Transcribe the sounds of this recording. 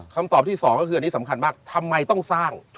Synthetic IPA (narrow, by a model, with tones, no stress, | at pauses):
kʰa˧mt̪ɔː˨˩p̚t̪ʰiː˥˩sɔː˩˦ŋkɔ˥˩ɯː˧ni˦˥sa˩˦mkʰa˧nmaː˥˩k̚t̪ʰa˧mːa˧jt̪ɔ˥˩ŋsaː˥˩ŋ